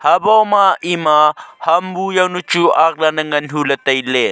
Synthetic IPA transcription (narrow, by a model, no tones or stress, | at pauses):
hɐbɔmaʔimahɐmbujɐwnut͡ʃuʔak̚lanɐŋɐnɦulɐt̪ɐjle